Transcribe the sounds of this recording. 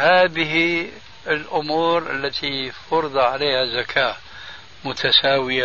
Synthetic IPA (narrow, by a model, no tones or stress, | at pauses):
haːðɪhi | ɪlʔʊmuːɾʔə̰lːat̪ʰifɑɾɨd̪ˤɑʕaleːhazakʰaː | mʊt̪ʰasaːwɪja